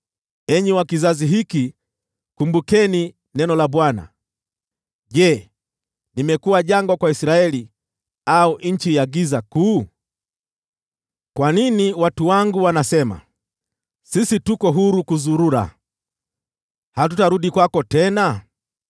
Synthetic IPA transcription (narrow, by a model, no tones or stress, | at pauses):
ɛɲɛwakizaziɦiki | kumbukɛni | nɛnɔlaɓwana̰ | ʄɛː | nimɛkuwaʄaŋɡwakwaisiɾaɛli | auʔɲ̩t͡ʃijaɡizakuː | kwaniniwatuwaŋɡuwanasɛma̰ | sisitukɔɦuɾukuzuɾuɾa̰ | hat̬utaɾuɗikwakɔtɛna